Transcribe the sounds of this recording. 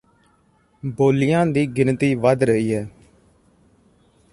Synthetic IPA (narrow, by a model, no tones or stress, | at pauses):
boːlɪjãːd̪iːɡɪnt̪iːʋəd̪ɾəɦiːɦɛː